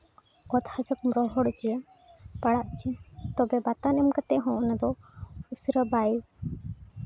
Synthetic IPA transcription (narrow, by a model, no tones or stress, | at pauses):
ɔt̪had͡ʒɔk̚mɾɔɦɔɽɔt͡ʃija | paɽaʔt͡ʃit̪ɔbɛbat̪anɛmkat̪ɛɦɔ̃ʔnad̪ɔusɾəbaji